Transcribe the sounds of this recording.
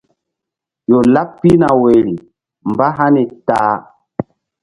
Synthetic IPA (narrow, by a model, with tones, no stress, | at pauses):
jo˨la˦pːi˦na˨we˨ɾi˨ | mba˦ɦa˦ni˨taː˨˦